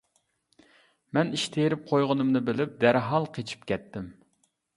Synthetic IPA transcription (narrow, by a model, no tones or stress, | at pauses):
mɛniʃt̪ʰejɾɪp̚qʰojʁənɨmnɨbɪlɪp̚d̪æɾɦɑlˠqʰet͡ʃʰi̥pkʲɛt̪ːɪm